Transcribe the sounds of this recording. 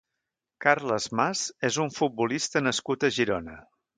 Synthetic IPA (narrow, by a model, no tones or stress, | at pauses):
karləzmazezuɱfut̪̚bulist̪ənəskut̪əʒiɾonə